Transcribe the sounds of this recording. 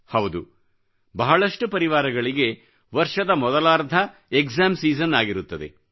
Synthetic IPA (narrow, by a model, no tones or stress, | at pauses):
hɐwd̪u | bɐɦɐɭɐʂʈupɐɾiʋaːɾɐɡɐɭiɡe̞ | ʋɐɾʂɐd̪ɐmɔd̪ɐlaːɾd̪ʱɐekzaːmsiːzɐnːaːɡiɾut̪ːɐd̪e̞̰